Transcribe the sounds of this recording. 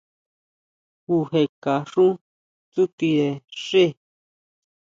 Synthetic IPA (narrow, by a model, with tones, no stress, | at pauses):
u˧he˧ka˨ʂũ˦ | t͡su˦t̪i˧ðe˧˨ʂe˦˨